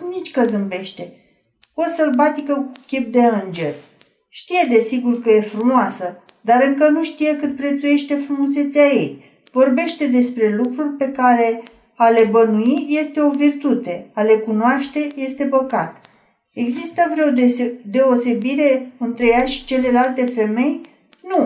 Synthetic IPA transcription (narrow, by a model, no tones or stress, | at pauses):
nit͡ʃʲkəzɨmbe̞ʃt̪e̞ | o̞səlbat̪ikəku̥kʲip̚d̪e̞ɨnd͡ʒe̞r | ʃt̪ije̞d̪e̞siɡurkəje̞fɾumoasə | d̪aɾɨŋkənuʃt̪ijekɨt̪̚pɾe̞t̪suje̞ʃt̪e̞fɾumuse̞t̪sʲaje̞j | vo̞rbe̞ʃt̪e̞d̪e̞spɾe̞lukɾurʲpe̞kaɾe̞ | ale̞bənuije̞st̪e̞o̞virt̪ut̪e̞ale̞kunoaʃt̪e̞je̞st̪e̞bəɡat̪ | e̞ɡzist̪əvɾeod̪e̞o̞se̞biɾe̞ɨnt̪ɾe̞jaʃi̥t͡ʃe̞lelalt̪e̞fe̞me̞j | nu